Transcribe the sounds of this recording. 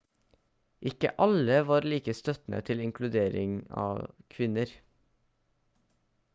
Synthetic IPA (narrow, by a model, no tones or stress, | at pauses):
ʔɪkə̰ʔɑləʋɑːɾliːkəst̪œt̪n̩ʔə̰t̪ʰɪlɪŋkʰlʉd̪eːɾɪŋɑ̰ːkʰʋɪnəɾ